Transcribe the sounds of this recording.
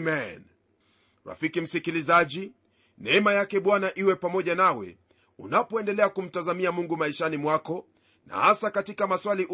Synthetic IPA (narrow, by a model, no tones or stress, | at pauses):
mɛn | ɾa̰fikim̩sikilizaʄi | nɛɛmajakɛɓwanaʔiwɛpamɔʄanawɛ̰ | ṵnapɔɛndɛlɛakum̩tazamiamuŋɡumaiʃanimwakɔ | na̰hasakatikamaswaliʔ